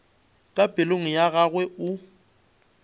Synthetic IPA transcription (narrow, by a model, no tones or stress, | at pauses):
kʼabʼɪloŋ̩jaɣaɣwɛʊ